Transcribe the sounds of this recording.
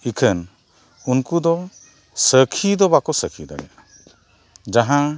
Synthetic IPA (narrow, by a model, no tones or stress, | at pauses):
ikʰən | unkud̪ɔ | səkʰid̪ɔbakɔsəkʰid̪a̰ɽɛ̰a | d͡ʒaɦã